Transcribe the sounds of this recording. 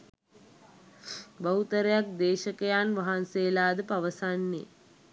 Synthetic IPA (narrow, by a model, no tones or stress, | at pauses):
baɦut̪əɾejak̚d̪eːʃəkəjaːnʋaɦanseːlaːd̪əpaʋəsanːḛ